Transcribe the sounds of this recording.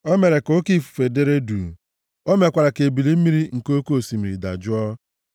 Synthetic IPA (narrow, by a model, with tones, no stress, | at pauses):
o˦me˨ɾe˨ko˦ki˦˨fu̥˨fe˨de˦ɾe˦du˨ | o˦me˨kʷa˨ɾa˨ke˨bi˨li˦m̩˦i˦ɾi˦ŋ̩˨ko˦ko˦˨si˨mi˨ɾi˨da̰˨d͡ʒʊ˦ɔ˦